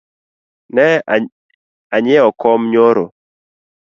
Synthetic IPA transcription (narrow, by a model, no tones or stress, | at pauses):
nɛ | aɲɪɔkɔmɲoɾo̰